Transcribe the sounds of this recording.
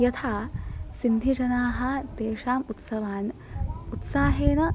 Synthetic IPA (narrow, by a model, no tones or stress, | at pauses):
jɐt̪ʰaːsind̪ʱid͡ʒɐnaːɦɐ̆d̪eːʂaːmut̪sɐʋaːnut̪saːɦeːnɐ